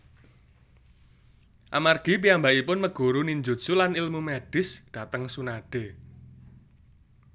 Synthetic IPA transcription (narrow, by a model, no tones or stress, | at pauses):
ʔamarɡ̥i̤piambaʔipʊnməɡ̥o̤ɾuniɲd͡ʒo̥sulanilmumɛɖ̥ɪ̤sɖ̥a̤t̪əŋsunaɖ̥e̤